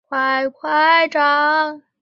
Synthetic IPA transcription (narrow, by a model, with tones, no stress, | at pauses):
kʰwa˧˥ɪkʰwa˥˧ɪʈ͡ʂɑ˧˥ŋ